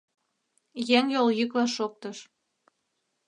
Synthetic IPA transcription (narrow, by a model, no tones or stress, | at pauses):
jeŋjoljykβɑʃok̚t̪ɤʃ